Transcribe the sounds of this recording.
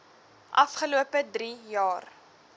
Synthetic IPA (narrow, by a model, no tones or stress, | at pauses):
ʔɐfχəluəpədɾijɑːr